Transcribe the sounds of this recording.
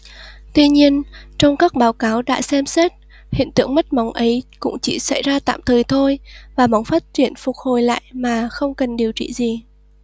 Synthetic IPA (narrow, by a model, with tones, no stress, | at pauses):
t̪wi˧ɲi˧ənt͡ɕɔ˧wŋ͡mkaː˦˥k̚ɓaː˨˦wkaː˨˦wɗa̰ː˧˥sɛ˧msɛ˦˥t̚ | hḭ˧˨ənt̪ɨ̰˧əŋmə˦˥t̚ma˨˦wŋ͡mʔə˨˦jkʊ̰˧˥ŋ͡mt͡ɕi˧˩sa̰˧˩jzaː˧t̪a̰ː˧˨mt̪ʰəː˨˩jt̪ʰo˧jvaː˨˩ma˨˦wŋ͡mfaː˦˥t̚t͡ɕwi˧˩ənfʊ˨˩k͡p̚ho˨˩jla̰ː˧˨jmaː˨˩xə˧wŋ͡mkə˨˩nɗi˨˩əwt͡ɕḭ˧˨zi˨˩